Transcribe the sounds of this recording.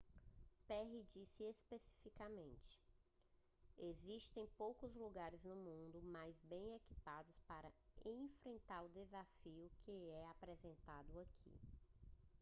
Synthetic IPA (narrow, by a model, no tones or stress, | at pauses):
pɛɦid͡ʒisɪespesi̥fikamẽnt͡ʃɪ̥ | eziʃt̪ẽj̃powkʊzluɡaɾɪznʊmũnd̪ʊmajzbẽj̃ekipad̪ʊspaɾɐẽfɾẽnt̪aɾʊd̪ezafiʊkʰɪɛapɾɛzẽnt̪ad̪ʊakʰḭ